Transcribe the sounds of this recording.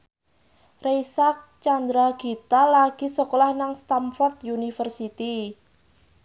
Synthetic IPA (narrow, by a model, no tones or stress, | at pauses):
rejsak̚t͡ʃand̪ɾaɡ̥i̤t̪alaɡ̥i̤səkolahnaŋst̪amfɔrt̪̚junifərsit̪i